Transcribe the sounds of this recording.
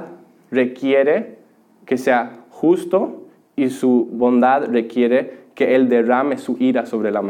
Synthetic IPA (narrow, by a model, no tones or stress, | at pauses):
rekjeɾe | keseaxust̪o | isuβond̪aðrekjeɾekeeld̪eramesuʔiɾaso̞βɾelam